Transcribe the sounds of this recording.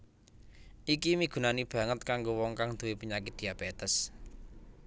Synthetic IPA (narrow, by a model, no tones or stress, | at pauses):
ʔikimiɡ̥ṳnanib̥ä̤ŋət̪kaŋɡowɔŋkaŋd̪̥owepuɲakit̪̚d̪̥i̤jab̥et̪əs